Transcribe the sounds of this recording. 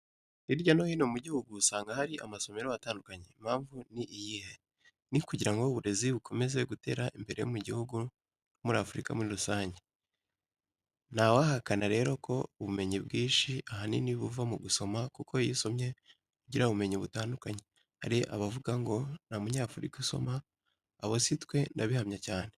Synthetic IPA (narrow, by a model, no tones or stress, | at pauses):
ɾiɾɟanohino̞muɟihuɡusaːŋɡahaɾiʔamaso̞me̞ɾowataːndukaɲe̞mhaːɱvuniʔijiːhe | nikuɟiɾaŋɡo̞βuɾe̞ziβukʰo̞me̞ze̞ɡute̞ːɾaʔimbe̞ɾe̞jo̰muɟihuɡu | nnomuɾaːfuɾika̰muɾiɾusaːɲɟe | nawahakanaɾe̞ːɾo̞kʰo̞uβume̞ɲibɡiːnʃiʔaɦaniniβuvamuɡuso̞makuko̞jiso̞mɲe̞ | kuɟiɾauβume̞ɲiβutaːndukaɲe | haɾiʔa̰βavuɡaŋɡo̞namuɲaːfuɾikuso̞̰maː | βositkwe̞ndaβihamɲacaːne